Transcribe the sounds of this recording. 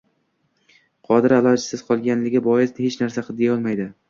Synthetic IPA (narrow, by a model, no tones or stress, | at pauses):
qʰɒd̪ɪɾalˠɒd͡ʒasɪzqʰɒlˠɡʲanlɪɡʲɪbɒjɪsd̪ɪhet͡ʃnaɾsaqʰɨd̪ijaɒlˠmajd̪ɪ